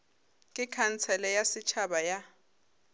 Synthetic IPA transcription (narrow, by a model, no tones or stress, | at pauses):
kʼɪkʰant͡sʰɛlɛjasit͡ʃʰaɓaja